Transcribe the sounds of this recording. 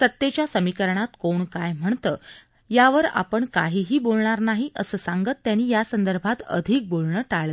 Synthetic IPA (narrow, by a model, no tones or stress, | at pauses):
sət̪ːjet͡ɕjasəmikəɾɳat̪koɳkajm̤əɳt̪əː | jaʋəɾa̰pəɳkaɦiːɦiːbolɳaɾnaɦiʔəsəːsaŋɡət̪ːjaniːjasənd̪əɾbʱat̪ə̰d̪ʱiːk̚bolɳəːʈaɭə